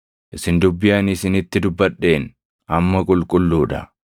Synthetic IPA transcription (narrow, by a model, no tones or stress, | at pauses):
ʔɪsɪnd̪ʊbːɪjanɪsɪnɪt̪ːɪd̪ʊbːɐɗːe̞ːn | ʔɐmːɐkʼʊlkʼʊlːuːᶑɐ